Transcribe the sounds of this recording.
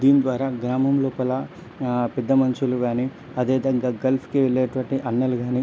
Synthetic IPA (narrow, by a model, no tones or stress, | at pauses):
d̪iːnid̪ʋaːɾaːɡɾaːmɐmlɔːpɐlɐ | pɛd̪ːɐmɐnt͡ʃuluɡaːni | ɐd̪eːʋid̪ɐŋɡaːɡɐlpʰkiʋeɭːeːʈuʋɐɳʈiʔɐnːɐluɡaːni